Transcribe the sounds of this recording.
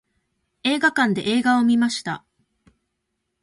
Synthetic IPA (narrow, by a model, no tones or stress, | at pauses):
e̞ːɡakãnd̪e̞ʔe̞ːɡao̞mʲimaɕi̥t̪a̰